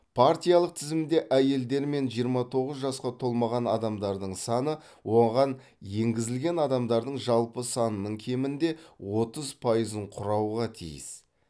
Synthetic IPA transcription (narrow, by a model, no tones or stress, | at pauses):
pʰaɾt̪ijɑlˠəq̚t̪ʰɪzɪmd̪e̞ʔæje̞ld̪e̞ɾme̞nʒijəɾmɑt̪ʰo̞ʁəzʒɑsqɑt̪ʰo̞lˠmɑʁɑnɑd̪ɑmd̪ɑɾd̪əɴsɑnə | wo̞ʁɑn | je̞ŋɡʲɪzɪlɡʲe̞nɑd̪ɑmd̪ɑɾd̪əɴʒɑlˠpəsɑnənəɴkʲʰe̞mɪnd̪e̞wo̞t̪əzpʰɑjəzəɴqʰʊɾɑwʁɑt̪ʰḭjɪ̰s